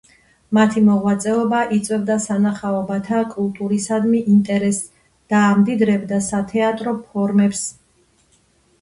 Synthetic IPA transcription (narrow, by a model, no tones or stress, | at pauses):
mat̪ʰimɔʁwat̪sʼɛɔbaʔit̪sʼwɛvd̪asanaχaɔbat̪ʰakʼulˠt̪ʼuɾisad̪miʔint̪ʼɛɾɛs | d̪̥aːmd̪id̪ɾɛbd̪asat̪ʰɛat̪ʼɾɔpʰɔɾmɛps